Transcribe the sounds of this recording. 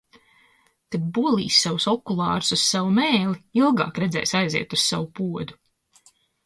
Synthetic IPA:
t̪ebuɔlˠḭːsʲːawusɔkulˠɑːɾu̥sussavumeːliilˠɡɑ̰ːkɾɛd̪zɛ̰jsajzḭɛt̪ussawupuɔd̪u

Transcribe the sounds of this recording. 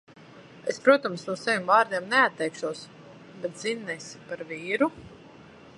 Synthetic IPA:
espɾuɔt̪ɔmsnuɔsavʲimvaːɾd̪iɛmnɛat̪ːɛjkʃuɔs | bɛt̪zinːɛjspaɾviːɾu

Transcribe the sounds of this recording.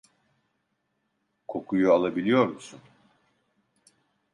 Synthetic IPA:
kʰo̞kʰujualˠabilʲijo̞ɾmusun

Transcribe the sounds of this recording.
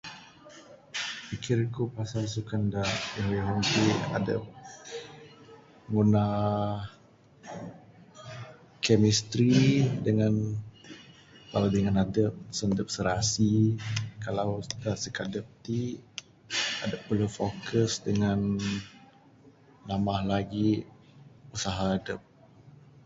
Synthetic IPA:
pikɪrkupasalsukandaʔɛwiɦɔnt̪ia̰də̰p̚ | ŋuna | kɛmist̪ɾidəŋan | kalawdəŋanadəp̚səndəp̚səɾasikalawdasəkadəp̚t̪i | adəpːəlufokəsdəŋan | lamahlaɡi | usaɦaːdəp̚

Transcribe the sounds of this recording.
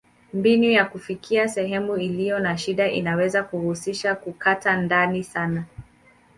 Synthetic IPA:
mbinujakufikʰiasɛɦɛmuilijɔnaʃiɗaʔḭnawɛzakuhusiʃakukatandanisana

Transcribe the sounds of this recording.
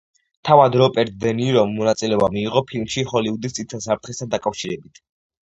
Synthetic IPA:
t̪ʰavad̪ɾɔpʼɛɾt̪̚d̪ɛniɾɔmːɔnat̪sʼilɛɔbamiːʁɔpʰilmʃihɔliud̪ist̪sʼit̪sʰas̬apʰɾt̪ʰχɛst̪ʰand̪akʼafʃiɾɛbit̪ʰ

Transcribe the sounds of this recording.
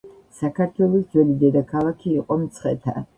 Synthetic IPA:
sakʰaɾt̪ʰwɛlˠɔsd̪zwɛlid̪ɛd̪akʰalˠakʰiːqʼɔmt̪sʰχɛ̰t̪ʰa̰

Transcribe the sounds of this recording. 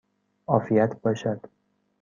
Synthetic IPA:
ɒːfijæt̪ʰbɒːʃæd̪̥

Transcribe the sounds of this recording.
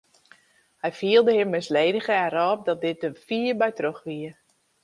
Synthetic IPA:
hɛjfiəlˠdəɦɪmːɪsleːdəɣəɛɾɔːp̚dɔt̚dɪt̚dəfiːəbɛjtroxʋiə

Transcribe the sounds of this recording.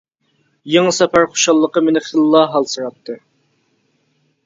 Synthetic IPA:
jeŋəsɛpæɾχo̥ʃɑlˠːəqəmenɪχəlˠːɑɦɑlˠsɨɾɑp̚t̪ʰːɨ

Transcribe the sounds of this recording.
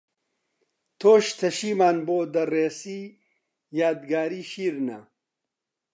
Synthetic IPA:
t̪ʰoːʃt̪ʰɐʃiːmaːnboːd̪ɐreːsiː | jaːd̪ɡaːɾiːʃiːɾnɐ̰

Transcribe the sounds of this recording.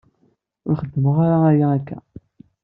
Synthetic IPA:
ʊɾχəd̪ːəməʁaɾaajaːkːæ̰

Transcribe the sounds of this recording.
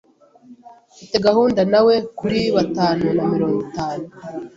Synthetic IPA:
ɡuteɡaɦuːndanawe̞kuɾiβataːnunamiɾo̞ːŋɡitaːnu

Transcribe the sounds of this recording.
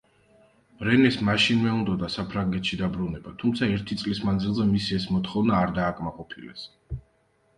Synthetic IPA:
mɾɛnɛsmaʃinmɛund̪ɔd̪asapʰɾaŋɡɛt̪ʰʃid̪abɾunɛbat̪ʰumt̪sʰaɛɾt̪ʰit̪sʼlismand̪zilˠzɛmisiɛsmɔt̪χɔvnaːɾd̪aːkʼmaqʼɔpʰilɛ̰s

